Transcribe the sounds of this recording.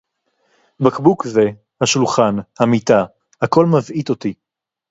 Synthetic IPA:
bakbukze̞ | haʃulχanhamit̪a | hako̞lmavʔit̪o̞t̪i

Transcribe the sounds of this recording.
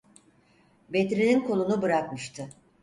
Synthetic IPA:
bet̪ɾininkʰo̞lˠunubɯɾakmɯʃt̪ʰɯ

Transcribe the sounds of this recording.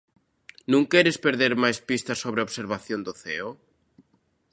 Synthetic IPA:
nũŋkɛɾɪspeɾðeɾmajspist̪ɐsoβɾeoβseɾβaθjond̪ʊθɛo

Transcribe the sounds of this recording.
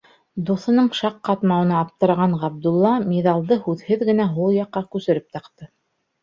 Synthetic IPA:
d̪uθɤ̆nɤɴʃɑqːɑt̪mɑwɤ̆nɑːp̚t̪ɤ̆ɾɑʁɑɴʁɑb̚d̪ulˠːɑmʲeðɑlˠd̪ɤhʉðhɘðɡɘ̆næɦulˠjɑqːɑkʉsɘ̆ɾɘp̚t̪ɑqt̪ɤ

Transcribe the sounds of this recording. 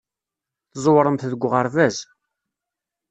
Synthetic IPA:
θzˤwɾˤəmθðəɡʷːʁəɾvæz

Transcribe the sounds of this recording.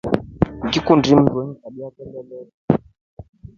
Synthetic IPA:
ŋɡikundim̩dɛɲkaɗiakɛlɛlɛla

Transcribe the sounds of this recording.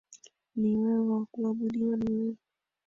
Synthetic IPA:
niwɛwakuaɓuɗiwanii

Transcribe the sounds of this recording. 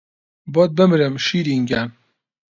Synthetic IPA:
bɔt̪̚bɨmɾɨmʃiːɾiŋɡæn

